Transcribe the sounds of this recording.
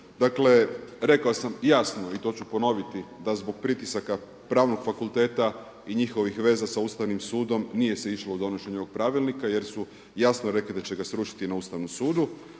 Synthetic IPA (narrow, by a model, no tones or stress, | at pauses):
d̪akle̞ɾe̞kaosamjasno̞it̪o̞ːt͡ɕupo̞no̞ʋit̪id̪azbo̞ɡ̥̚pɾit̪isaka | pɾaːʋno̞ɡ̥fakulˠt̪e̞ːt̪a | iɲixo̞ʋixʋe̞ːzasauːst̪aʋnimsuːd̪o̞mnije̞se̞iʃloud̪o̞no̞ʃe̞ɲooɡ̚pɾaːʋilˠnikaje̞ɾsu | jasnoɾe̞klid̪at͡ɕe̞ɡasɾuʃi̥t̪inauːst̪aʋnomsuːd̪u